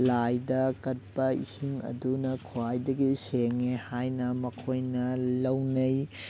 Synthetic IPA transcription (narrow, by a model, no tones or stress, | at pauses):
lajdɐkɐt̚pɐḭsiŋɐ̰dunɐkʰuajdɐɡiseŋehajnɐmɐkʰojnɐlɐwnɐj